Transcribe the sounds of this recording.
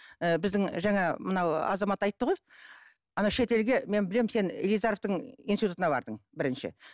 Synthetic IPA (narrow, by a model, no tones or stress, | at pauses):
əbɪzd̪ɪŋʒɑŋɑmənɑwɑ̰zɑmɑt̪ɑjt̪ːəʁo̞j | ɑnɑʃe̞t̪e̞lɡʲe̞me̞nbɪlemse̞nḛlijzɑɾoft̪əɴinsit̪ut̪ənɑbɑ̰ɾd̪əɴbɪɾɪnʃɪ̰